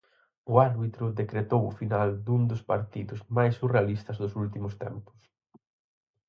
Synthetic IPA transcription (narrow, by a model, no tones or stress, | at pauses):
ʊaɾβit̪ɾʊðekɾet̪owʊfinald̪und̪ʊspaɾt̪iðʊsmajsurealist̪ɐzðʊsult̪̬imʊst̪ɛ̰mpʊ̥s